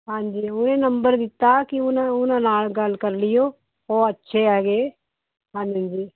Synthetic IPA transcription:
ɦãːɲd͡ʒiːʊnẽːnəmbəɾd̪ɪt̪ːaːkɪʊnãʊnãːnaːlɡəlkəɾlɪjoː | oːətːʃʰeːɛːɡeː | ɦãːɲd͡ʒiãːɲd͡ʒiː

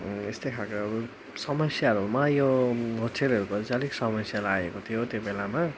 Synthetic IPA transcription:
est̪ʌjkʰalkoʌbu | sʌmʌsjaɾumajoɡʱoʈʰelʌɾukod͡zaliksʌmʌsjalaːekot̪ʰijot̪jobelama

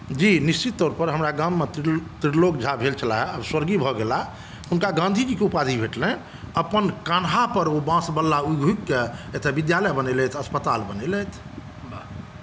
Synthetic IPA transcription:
d͡ʒinist͡ʃit̪ːɔɾpəɾɦəmɾaɡãmːet̪t̪ɾiɽlokd͡ʒʱabʱelt͡ʃʰəlaɦɛabswəɾɡibʱɔɡela | ɦunkaɡãnd̪ʱid͡ʒikeupad̪ʱibʱeʈlɛ̃ | əpənkanɦapəɾobãsbəlːauɡʱuikːeet̪ʰebid̪jaləbənɛlɛt̪ʰəspət̪albənɛlɛt̪ʰ

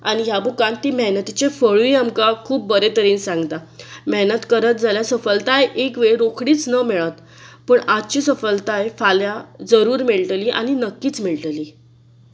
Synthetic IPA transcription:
añijabukant̪ːiːməɦnət̪it͡ɕefəɭuiamkakʰuːp̚ːəɾet̪əɾiːnsãŋɡt̪aməɦnət̪kəɾət̪̚d͡zʱaljasəfəlt̪ajʔekʋeɭɾokʰɽiːt͡snəmeɭət̪ | pəːɳʔad̪̚t͡ɕiːsəfəlt̪ajfaljad͡zəɾuːɾmiɭʈliːʔa̰ɽ̃inəkːiːt͡smiɭʈliː

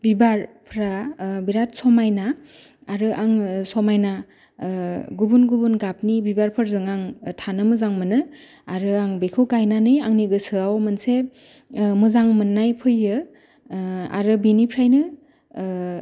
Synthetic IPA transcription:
bibaɾpʰɾabiɾat̚sɔmajnaː | ɾɯʔaŋsɔmajna | ɡubunɡubunɡap̚nibibaɾpʰɯɾzɯŋaŋtʰanɯmɯzaŋmɯnɯ | aɾɯaŋbekʰɯwɡajnanɯjaŋniɡɯsɯawmɯnse | mɯzaŋmɯnːajpʰɯjːɯ | a̰ɾɯbinipʰɾajnɯ

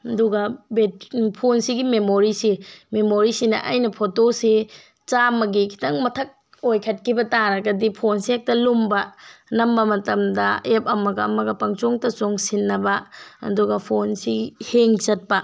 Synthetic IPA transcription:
ɐduɡɐbetpʰonsiɡimemoɾisimemoɾisinɐ̰ʔa̰jnɐpʰotose | t͡ʃamɐɡikʰi̥tɐŋmɐtʰɐk̚ | ojkʰɐt̚kʰibɐtaɾɐɡɐdipʰonsiek̚tɐlumbɐnɐmbɐmɐtɐmdɐep̚ɐmɐɡɐːmɐɡɐpɐŋt͡ʃoŋtɐsoŋsinːɐbɐɐ̰duɡɐpʰonsiheŋt͡ʃɐt̚pɐ

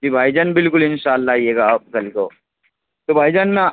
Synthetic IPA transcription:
d͡ʑiːbʱajd͡ʑanbɪlkulinɕalːajeɡap̚kɐlko | t̪obʱajd͡ʑanːa

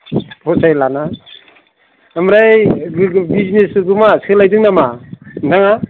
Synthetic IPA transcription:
pʰɔsajlana | amɾaj | biznesɡɯmaskʰɯlajdɯŋnamanaŋa

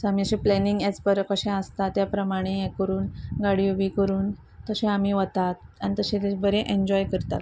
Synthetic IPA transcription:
samiəɕeplɛniŋɡet͡spəɾkəɕẽəst̪at̪japɾəmaɽ̃ẽekəɾuːnɡaɽiuʋiːkəɾuːn | t̪əɕẽamiːʋət̪at̪añit̪əɕẽlebəɾeʔeɲd͡ʑɔjkəɾt̪a̰t̪

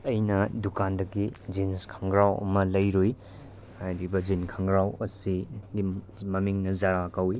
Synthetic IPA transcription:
ɐjnɐdukandɐɡid͡ʒinskʰaŋɡɾawɐ̰mɐlɐjɾuj | hajɾibɐd͡ʒinkʰɐŋɡɾawɐsiɡi | mɐmiŋnɐzaɾakawi

